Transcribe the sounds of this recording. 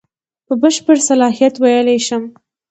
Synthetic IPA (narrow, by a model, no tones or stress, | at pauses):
pəbəʃpəɾsalɑɦijat̪wajəleʃəm